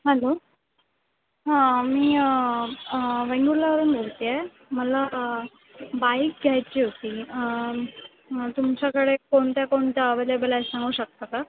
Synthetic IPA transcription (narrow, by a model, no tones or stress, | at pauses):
ɦɛlo | ɦãmiː | ʋeɳɡuɾlaʋəɾuːnbʱolt̪ije | məla | baik̚ɡʱjajt͡ɕiːɦot̪iː | t̪umt͡ɕakəɽekoɳt̪jakoɳt̪jaʋelebəlasãŋɡuːɕək̚t̪aka